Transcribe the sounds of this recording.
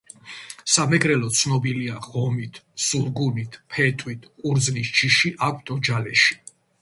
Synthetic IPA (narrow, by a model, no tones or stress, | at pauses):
samɛɡɾɛlɔt̪sʰnɔbiliaʁɔmit̪ʰsuɾɡunit̪ʰpʰɛt̪ʼwit̪ʰqʼuɾd̪znist͡ʃʰiʃiʔakʷʰt̪ʼɔd͡ʒalɛʃi̥